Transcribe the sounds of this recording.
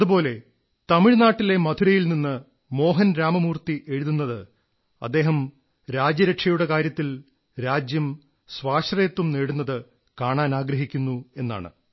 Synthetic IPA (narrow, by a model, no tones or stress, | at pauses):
ðupo̞ːle̞ | t̪ɐmiɻnaːʈːile̞mɐd̪ʰuɾɐjilninːɨ | mo̞ːɦɐnɾaːmɐmuːrt̪iʔe̞ɻuðunːɐðɨ | ɐ̰d̪ːe̞ːɦɐm | ɾaːd͡ʑjɐɾɐʈʂɐjuɽe̞kaːɾjɐt̪ːil | ɾaːd͡ʑjɐm | sʋaːʂrɐjɐt̪ːumneːɽunːɐðɨ | kaːɳaːnaːɡɾɐɦikʲːunːue̞nːa̰ːɳɨ̰